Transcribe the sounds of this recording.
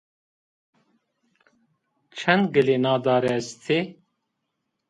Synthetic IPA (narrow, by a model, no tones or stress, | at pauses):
t͡ʃʰɛnd̪ɡɨleːnɑːd̪ɑːɾɛst̪ʰe